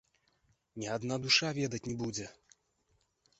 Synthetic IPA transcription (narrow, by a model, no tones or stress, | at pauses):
nʲiad̪nad̪uʂavʲɛd̪ɐt͡sʲnʲɛbud͡zʲɛ